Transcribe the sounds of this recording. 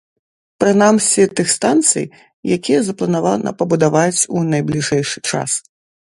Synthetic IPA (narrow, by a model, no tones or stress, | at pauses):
pɾɨnamsʲɛt̪ɨxst̪ant̪sɨ̰j | jakʲijɛzɐplˠɐnavanɐ̰pɐbud̪avat͡sʲunɐjblʲiʐɛjʂɨ̥t͡ʂa̰s